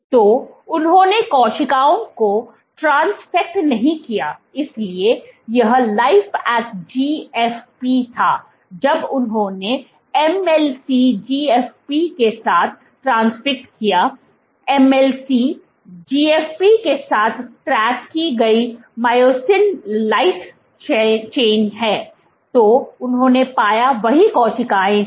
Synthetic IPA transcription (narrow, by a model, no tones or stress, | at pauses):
t̪oːʊnɦõːnekɔːʃɪkaːõko | ʈɾãːnsfɪk̚ʈnɐɦĩkijaɪsliejɐɦlaːɪfɛːkd͡ʒiːɛːfpit̪ʰaː | d͡ʒɐbʊnɦõːne | ɛmɛlsid͡ʒiːɛːfpikesaːt̪̚ʰ | ʈɾãːnsfɪk̚ʈkijaː | ɛmɛlsi | d͡ʒiːeːfpikesaːt̪ʰʈɾɛːkkːiɡɐi | maːjoːsɪnlaɪʈ | t͡ʃeːnɦɛː | t̪oːʊnɦõːnepaːjaʋɐɦikɔ̃ːt͡ʃɪkaːẽ